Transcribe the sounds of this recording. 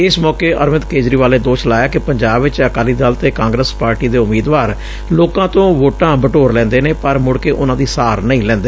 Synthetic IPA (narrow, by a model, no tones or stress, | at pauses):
ɪsmɔːkeːəɾmɪt̪keːd͡ʒɾiːʋaːleːd̪oːʃlaːjaːkɪpəɲd͡ʒaːbʋɪt͡ʃəkaːliːd̪aːlt̪eːkãːŋɡɾəspaːɾʈiːd̪eːʊmiːd̪ʋaːɾ | loːkãːt̪õːʋoːʈãːbəʈoːɾlɛ̃ːnd̪eːneːpəɾmʊɽkeːʔʊnãːd̪iːsaːɾnəĩːlɛ̃ːnd̪eː